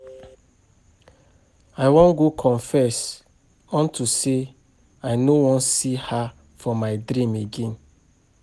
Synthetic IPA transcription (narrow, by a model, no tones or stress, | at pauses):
aɪwɔ̃nɡokʰɔ̃ɱfɛs | ɔ̃ntuse | aɪnowɔ̃nsiha | fɔmaɪdɾĩmeɡẽn